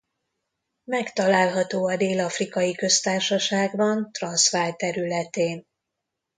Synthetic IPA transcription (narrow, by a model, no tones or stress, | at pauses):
mɛkt̪ɒlaːlɦɒt̪oːɒd̪eːlɒfrikɒjikø̞st̪aːrʃɒʃaːɡbɒnt̪rɒnsʋaːjt̪ɛɾylɛt̪eːn